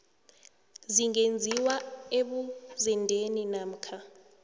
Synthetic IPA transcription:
ziŋend͡zʱiwaeɓuzɛndʱeninaːm̩kʰa

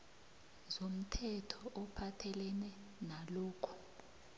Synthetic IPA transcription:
zom̩tʰɛtʰɔʔɔpʰatʰɛlɛnɛ | naloːkʰu̥

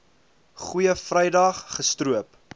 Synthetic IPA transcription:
χujəfrɛjdɐχːəstruəp

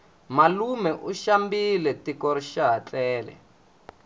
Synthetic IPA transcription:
malumɛʔuʃambilɛtikɔɾiʃaɦat͡ɬɛːlɛ̰

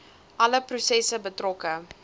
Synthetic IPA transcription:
ʔɐləprusɛsəbətrɔkə

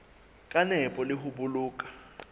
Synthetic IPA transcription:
kʼanɛpʼɔlɪɦʊbʊluːkʼḁ

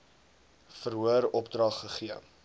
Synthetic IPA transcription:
fərɦuəɾɔpdrɐχːəχiə

